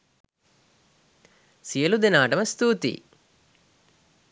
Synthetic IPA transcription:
sijɐlud̪enaːɖɐmɐst̪uːt̪ḭ

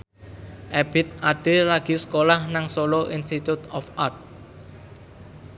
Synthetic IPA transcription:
ʔɛb̥ɪt̪̚aɖ̥e̤laɡ̥i̤skolahnaŋsoloʔinst̪it̪ut̪ɔfart̪̚

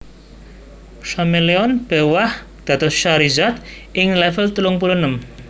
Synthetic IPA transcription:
sameleɔnbɛwah | d̪̥at̪ɔʃaɾizat̪ | ɪŋlɛfɛlt̪uluŋpulunəm

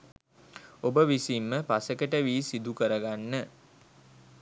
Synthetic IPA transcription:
obəʋisimːəpasəkəʈəʋiːsid̪ukəɾəɡanːə

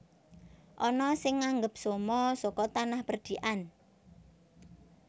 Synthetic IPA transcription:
ʔɔnɔsɪŋːaŋɡəp̚somɔsɔkɔt̪anahpərd̪̥i̤ʔan

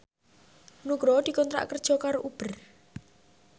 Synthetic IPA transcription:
nuɡɾɔd̪̥i̤kɔnt̪ɾa̰ʔkərd̥ʒ̥ɔ̤kaɾoʔub̥ər

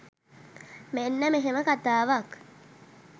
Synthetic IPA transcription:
menːəmeɦeməkat̪aːʋak

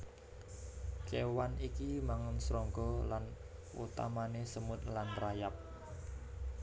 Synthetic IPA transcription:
kewanikimaŋənsɾɔŋɡɔlanʔṵt̪a̰manesəmʊt̪̚lanrajap̚

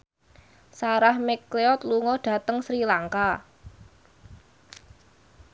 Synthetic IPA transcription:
saɾahmɛkleɔt̪̚luŋɔɖ̥ä̤t̪əŋsɾilaŋka

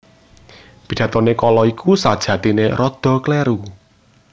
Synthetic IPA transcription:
b̥i̤d̥ä̤t̪ɔnekɔlɔikʰusad̥ʒ̥ä̤t̪ineɾɔd̪̥ɔ̤klɛɾu

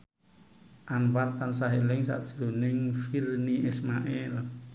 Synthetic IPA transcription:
ʔanwart̪ans̬aɦelɪŋsa̰ʔd̥ʒ̥ɾonɪŋfirniʔismaʔɛl

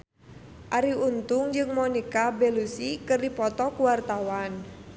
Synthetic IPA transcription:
ʔaɾiunt̪ʊŋd͡ʒɨŋmɔnikabelusikərdipɔt̪ɔkuwart̪awan

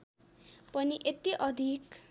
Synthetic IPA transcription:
pʌniʔet̪iʔʌd̪ʱik

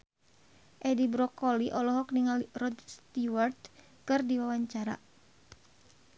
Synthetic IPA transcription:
ʔɛdibɾɔkɔliʔɔlɔɦɔkniŋalrɔd̪st̪iwart̪ | kɨrdiwawaɲt͡ʃaɾa̰

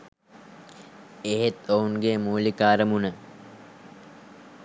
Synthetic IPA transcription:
eɦet̪ounɡemuːlikaːɾəmunə

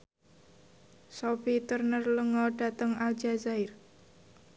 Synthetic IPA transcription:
sobit̪ərnərləŋɔɖ̥a̤t̪əŋald͡ʒazaɪr

